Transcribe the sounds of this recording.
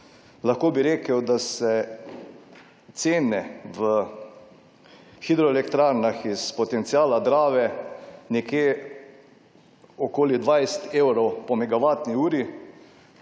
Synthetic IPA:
laxkoːbiɾeːkəwd̪asɛ | t̪seːnɛʋə | xid̪ɾɔɛlɛkt̪ɾaɾnaxispɔt̪ɛnt̪siaːlad̪ɾaːʋɛnɛkjeː | ɔkoːlid̪ʋajst̪ewɾɔwpɔmɛɡaʋaːt̪niuːɾi

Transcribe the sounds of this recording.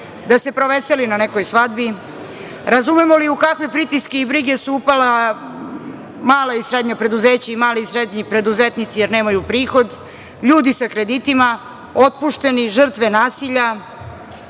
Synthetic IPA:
d̪ase̞pɾo̞ʋeselinanekojsʋad̪bi | ɾazume̞mo̞liukakʋe̞pɾit̪iskeibɾiɡe̞suupala | maːlaisɾe̞d̪ɲapɾe̞d̪uzeːt͡ɕaimaːliisɾed̪ɲipɾe̞d̪uzet̪nit̪sijeɾne̞ːmajupɾiːxo̞d̪ | ʎuːd̪isakɾe̞d̪it̪ima | o̞t̪̚puʃt̪e̞niʒər̩t̪ʋe̞naːsiʎa

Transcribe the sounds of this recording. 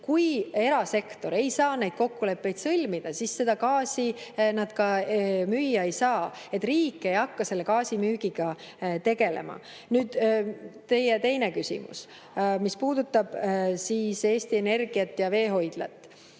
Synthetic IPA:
kuje̞ɾɑse̞kt̪o̞ɾe̞jsɑːnejd̪̥ko̞kːule̞pːe̞jd̪̥sɤlʲmid̪̥ɑsisːe̞d̪ɑkɑːsʲinɑd̪̥kɑmyjːɑe̞jsɑːe̞t̪ːˑriːkːˑe̞jɑkːɑse̞lːe̞kɑːsimyːɡ̥iɡ̥ɑ | t̪e̞ɡ̥e̞lḛmɑ̰ | nyːd̪̥t̪e̞jet̪e̞jne̞kysʲḭmṵs | mispuːd̪̥ut̪ːɑb̥siːse̞ːst̪ie̞ne̞rɡ̥iɑt̪ːjɑve̞ːɦo̞jd̪̥lɑ̰t̪ːˑ

